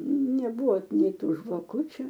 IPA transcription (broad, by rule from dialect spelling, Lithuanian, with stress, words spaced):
nʲɛˈbuɔ ˈnʲɛɪ ˈtuː ʒʋɐˈkʊt͡ʃʲʊ